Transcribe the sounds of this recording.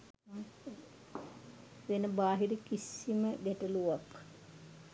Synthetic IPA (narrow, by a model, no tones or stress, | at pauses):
ʋenəbaːɦiɾəkisiməɡɛʈəluʋak